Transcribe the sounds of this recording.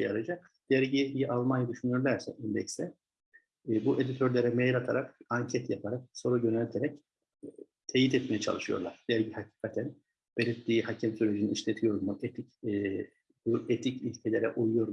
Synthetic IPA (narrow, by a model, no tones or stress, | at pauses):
jaɾad͡ʒak | d̪̥ɛɾɟijijiʔalˠmanjad̪yʃynyjo̞ɾlʲæɾsɛ̰ʔind̪ɛcsɛ | buʔe̞d̪it̪ʰøɾlʲeɾɛmejɾat̪ʰaɾakaɲcʰɛt̪japʰaɾak̚so̞ɾuɟønɛlʲt̪ʰeɾɛc | t̪ʰejit̪ɛt̪mejɛt͡ʃʰa̰lˠɯʃɯjo̞̰ɾlˠaɾ̥d̪̥æɾɟihacʰi̥ːkʰat̪ʰæn | b̥eɾit̪liːihacʰɛmsyɾed͡ʒiniiʃlʲet̪ʰijo̞ɾmuʔet̪ʰicː | buet̪ʰicilʲcʰelʲeɾɛ̰ʔujujo̞ɾ